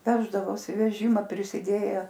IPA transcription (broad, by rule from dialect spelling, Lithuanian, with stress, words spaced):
ˈʋʲæːʒdɐʋoːsʲɪ ʋʲɛˈʒʲɪmɐ pʲrʲɪsʲɪˈdʲeːjɛ